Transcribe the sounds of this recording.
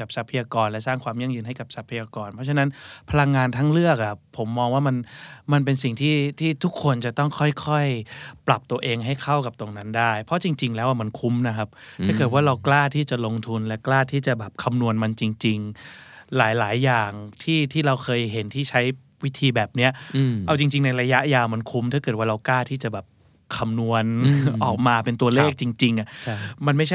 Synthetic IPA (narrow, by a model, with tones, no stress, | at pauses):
ka˨˩p̚sa˦˥pʰːa˧jaː˧kɔː˧nlɛ˦˥saː˥˩ŋkʰwaː˧mja˥˩ŋjɯː˧nɦa˥˩jka˨˩p̚sa˦˥pʰːa˧jaː˧kɔː˧npʰɔ˦˥t͡ɕʰa˧na˦˥npʰa˧la˧ŋːaː˧nt̪ʰaː˦˥ŋlɯ˥˩ək̚ʔa˧˩pʰːo˩˦mːɔː˧ŋwaː˥˩ma˧nma˧np̬e˧ns̬i˨˩ŋt̪ʰiː˥˩t̪ʰiː˥˩t̪ʰu˦˥kʰːo˧nt͡ɕa˨˩t̪ɔ˥˩ŋkʰɔ˥˩jkʰɔ˥˩jpla˨˩p̚t̪u˧əʔeː˧ŋɦa˥˩jkʰa˥˩wka˨˩p̚t̪o˧ŋna˦˥ndaː˥˩jpʰɔ˦˥t͡ɕi˧ŋt͡ɕi˧ŋlɛː˦˥wʔa˧˩ma˧nkʰu˦˥mna˦˥kʰa˦˥p̚t̪ʰaː˥˩kɤː˨˩t̪̚waː˥˩ɾa˧wklaː˥˩t̪ʰiː˥˩t͡ɕa˨˩lo˧ŋt̪ʰu˧nlɛ˦˥klaː˥˩t̪ʰiː˥˩t͡ɕa˨˩bɛː˨˩p̚kʰa˧mnu˧ənma˧nt͡ɕi˧ŋt͡ɕi˧ŋlaː˩˦jlaː˩˦jːaː˨˩ŋt̪ʰiː˥˩t̪ʰiː˥˩ɾa˧wkʰɤː˧jɦe˩˦nt̪ʰiː˥˩t͡ɕʰa˦˥j | wi˦˥t̪ʰiː˧bɛː˨˩p̚ni˦˥ɐʔa˧wt͡ɕi˧ŋt͡ɕi˧ŋna˧jɾa˧ja˦˥ʔjaː˧wma˧nkʰu˦˥mt̪ʰaː˥˩kɤː˨˩t̪̚waː˥˩ɾa˧wklaː˥˩t̪ʰiː˥˩t͡ɕa˨˩bɛː˨˩p̚ | kʰa˧mnu˧ənʔɔː˨˩k̚maː˧pe˧nt̪u˧ɐleː˥˩k̚t͡ɕi˧ŋt͡ɕi˧ŋʔa˨˩ʔʰma˧nma˥˩jt͡ɕʰa˥˩